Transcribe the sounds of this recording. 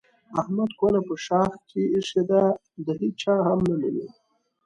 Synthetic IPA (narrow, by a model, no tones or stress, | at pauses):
ahmad̪kolapəʃɑːxkʰeːʂed̪a | d̪əɦit͡ʃɑɦamnanini